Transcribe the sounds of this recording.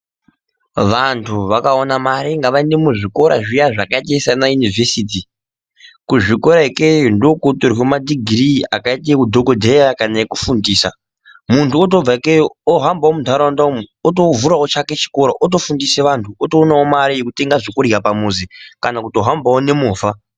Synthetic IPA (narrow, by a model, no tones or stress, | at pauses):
ʋantʰuʋakaonamaɾiŋɡaʋainemuʐiko̞ɾa̰ʐijaʐakaitaisanajunivesit̬i | kuʐiko̞ɾaikejundokotorwemadiɡʱiɾia̰kaitiekudʱokodʱejakanajekufundiːsa̰ | muntʰuotob͡vakeoɦambawomudʱaɾandamotovuɾaot͡ʃake̞t͡ʃi̥koɾoʔot̬o̞fundiseʋantʰuotoːnawomaɾijekute̞ŋɡaʐokurapamuzikanakutoɦambaone̞muːfa